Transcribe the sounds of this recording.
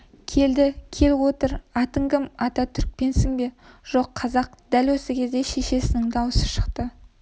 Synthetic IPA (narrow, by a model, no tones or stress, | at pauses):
kʲʰe̞ld̪ɪkʲʰe̞lwo̞t̪əɾɑt̪əŋɡʲɪmɑt̪ɑt̪ʰʏɾk̚pe̞nsɪŋbe̞ | ʒ̥o̞qʰːɑzɑq̚d̪̥ælwɵsɪkʲʰe̞zd̪e̞ʃe̞ʃe̞sɪnɪŋd̪ɑwəsəʃə̥qt̪ə